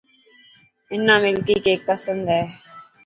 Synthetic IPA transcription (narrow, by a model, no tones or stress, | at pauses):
ɪnːãːmɪlt̪iːkeːk̚pəsə̃nd̪ɛː